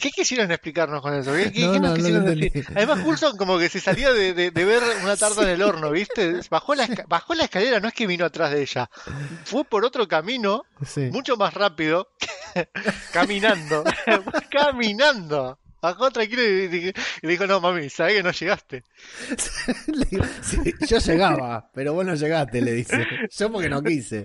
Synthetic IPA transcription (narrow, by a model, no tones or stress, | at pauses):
ke̞kisjeɾoneksplikaɾnosko̞ne̞sokekekenokiseɾond̪esiɾaðemasɣulsoŋko̞mo̞ke̞sesaljoðeðeðeβeɾunat̪aɾðaene̞lo̞ɾnoβist̪eβaxolaekaβaxo̞laehkale̞ɾano̞e̞hke̞βinoat̪ɾaɦðeeʃafwe̞po̞ɾot̪ɾo̞kamino̞simut͡ʃo̞masrapiðo̞ke̥ | kaminãnd̪o̞kaminãnd̪o̞ | βaxot̪ɾaŋkiloiðixileðixo̞no̞mamisaβekeno̞ʃeɣast̪e | slsiʒo̞ʒeɣaβapeɾo̞βoznoʒeɣast̪eleðiseʒ̥opoɾkenokisḛ